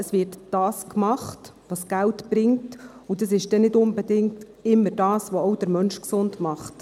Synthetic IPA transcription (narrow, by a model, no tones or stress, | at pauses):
əsvɪːɾtd̥ɑːskmɑχtʋɑsɡ̥æltb̥ɾɪŋtud̥ɑs̬ɪʃd̥ɛnɪdʊnbɛdɪŋt | ɪmːəɾdɑːsʋoɔʊd̥əɾmœnʃksʊndmɑχt